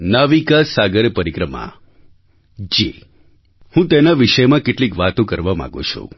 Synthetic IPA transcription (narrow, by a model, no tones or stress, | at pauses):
naʋikasaɡəɾpəɾikɾəma̰ | d͡ʒḭ | hũt̪enaʋiʃəjmãkeʈlikʋat̪õkəɾʋamã̰ɡo̰t͡ʃʰṵ